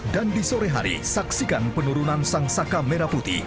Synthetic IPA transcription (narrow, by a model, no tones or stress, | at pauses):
dandisoɾɛɦa̰ɾḭsaksikanpənuɾunansaŋsakameɾaput̪ḭ